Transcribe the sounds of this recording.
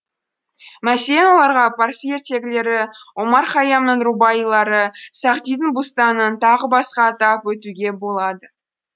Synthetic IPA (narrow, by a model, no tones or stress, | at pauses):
mæselenwo̞lˠɑɾʁɑpaɾseɾt̪e̞ɡʲɪle̞ɾɪwo̞mɑɾχɑjɑmnəɴɾubɑjilˠɑɾəsɑqt̪ijd̪əŋbust̪ɑnənt̪ʰɑʁəbɑsqɑːt̪ɑpwɵt̪uɡʲe̞bo̞lˠɑd̪ə